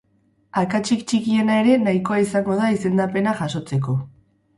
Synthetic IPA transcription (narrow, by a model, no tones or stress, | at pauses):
aɾkat͡ʃikt͡ʃikie̞nae̞ɾe̞naiko̞aisaŋɡo̞ð̞aise̞nd̪ape̞naʝaso̞t͡se̞ko̞